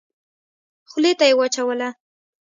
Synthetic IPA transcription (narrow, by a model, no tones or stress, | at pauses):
xlet̪ajewat͡ʃawəla